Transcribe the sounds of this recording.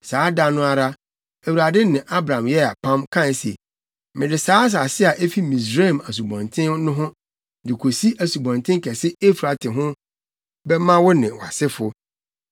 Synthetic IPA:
saː˨˦da˦nʊ̃˦a˦ɾa˦ | æ˨wu˨ɾa˨dɪ˦nɪ̃˨ʔa˦bɾã˨mjɛ˦a˨pʰã˦mkʰã˦n˦se˨ | mɪ̃˨dɪ˨saː˦s̬a˨sɪ˦a˨ʔe˦fi˦mĩ˨s̬ɾe˦˨ma˨s̬u˨bɔ̃˨ntʰɪ̃˦nnʊ̃˦ɦʊ̃˦ | dɪ˨kʰo˨si˦ʔæ˨su˨bɔ̃˨ntʰɪ̃˦ŋkʰɛ˨sɪ˦e˦fɾa˨tʰɪ˨ɦʊ̃˦ | bɛ˦mã˦wʊ˦nɪ̃˨wa̰˨sɪ˦fʊ˦

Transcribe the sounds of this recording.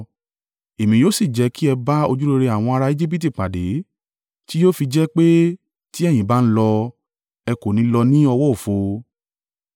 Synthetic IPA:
e˨mĩ˨˧jo˦si˦˨d͡ʒɛ˧˦ki˦ɛ˧ba˦o˧d͡ʒu˦ɾe˧ɾe˧a˨w̃ɔ̃˧a˧ɾa˧i˦d͡ʒi˦p̬i˦t̬i˦˨k͡pa˨de˨˦ | ti˦jo˦fi˧d͡ʒɛ˦k͡pe˦ | ti˦ɛ˦˨j̃ĩ˨˦ba˦n̩˦lɔ˧ | ɛ˧ko˨nĩ˨˦lɔ˧nĩ˦ɔ˧wɔ˦o˨fo˧

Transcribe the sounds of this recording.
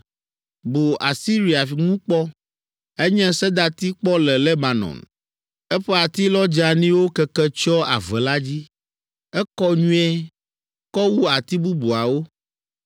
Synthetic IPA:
bo˨ʔa˨si˦ɾi˨a˨fŋũ˦k͡pɔ˦ | ɛ˦ɲɛ̃˦sɛ˦d̪a˨t̪i˦k͡pɔ˦lɛ˨lɛ˦ba˨nɔ̰˨n | ɛ˦ɸɛ˦a˨t̪i˦lɔ˦d͡ʒa˨nĩ˦wo˦kɛ˦kɛ˦t͡ʃɔ˦a̰˨vɛ˨la˦d͡ʑi˦ | ɛ˦kɔ˦ɲũ˦ɛ˦ | kɔ˦wu˦a˨t̪i˦bu˦bu˨a˨wo˦

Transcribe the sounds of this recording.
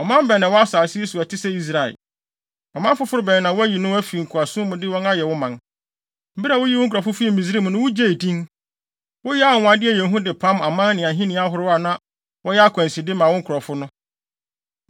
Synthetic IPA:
ɔ˨mã˦m˦bɛ˨nɪ̃˨wɔ˦a˦saː˨sɪ˦e˦su˨æ˨tʰɪ˦sɛ˦i˦s̬ɾa˨ɛ̰˨ | ɔ˨mã˦fʊ˦fʊ˦ɾʊ˦bɛ˨nɪ̃˨nã˨wɔ˦æ˦ji˨nʊ̃˦æ˦fi˨i˨ŋ̩˨kʰʊ˨a˨sʊ̃˦mʊ̃˨dɪ˦wɔ̃˦na˦jɛ˨wʊ˦mã˨n | m̩˦bi˦a˨wʊ˦ji˦wʊ˦ŋ˦kʰɾɔ˨fʊ˦fi˦i˦mĩ˨sɾi˦m̃˨nʊ̃˦wʊ˦d͡ʑe˦˨i˨dĩ˦n | wʊ˦jɛ˦a˦˨wʊ̃˨a˨dɪ˦æ˨jɛ̃˨ɦũ˦dɪ˨pʰã˦ma˨mã˦n˦nɪ̃˨ã˨ɦĩ˦nɪ̃˨˦a˦ɦʊ˨ɾʊ˦a˨nã˦ | wʔɔ˦jɛ˦a˦kʰæ̃˨nsi˨dɪ˦mã˨wʊ̃˦ŋ˦kʰʊ˨ɾɔ˨fʊ˦nʊ̃˦

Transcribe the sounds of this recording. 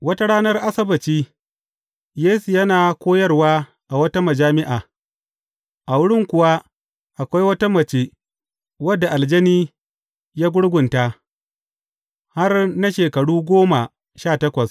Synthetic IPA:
wɐ˦ta˦ɽaː˦nɐ˦rʔa˦sɐ˦bɐ˨t͡ʃiː˦ | jeː˦su˨jɐ˦naː˨kʷoː˦jɐ˦rwaː˦ | ʔa˨wɐ˦ta˦mɐ˨d͡ʒaː˦mɪ˦ʔaː˨ | ʔa˨wʊ˦ɽɪ˦ŋkʷʊ˨wa˦ | ʔa˨kʷa˦jwɐ˦ta˦mɐ˨t͡ʃe˦ | wɐ˦dːa˨ʔa˨ld͡ʒɐ˦niː˦ | jaː˦ɡʷʊ˦ɽɡʷʊ˨nta˦ | ha˦rna˦ʃeː˨kɐ˨ɽuː˦ɡʷoː˦ma˨ | ʃaː˦˨tɐ˦kʷɐ˨s

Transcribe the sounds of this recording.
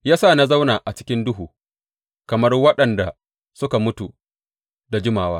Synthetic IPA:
jaː˦saː˦˨na˦za˦wnaː˨ʔa˨t͡ʃɪ˦kʲɪ˦ndʊ˦ɦuː˨ | kɐ˨mɐ˦rwɐ˦ɗɐ˨nda˨ | sʊ˦ka˨mʊ˦tu˨ | da˨d͡ʒɪ˦maː˨waː˦

